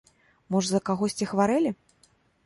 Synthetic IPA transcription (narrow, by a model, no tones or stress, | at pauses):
mɔʐzɐkaɣɔsʲt͡sʲixvaɾɛlʲi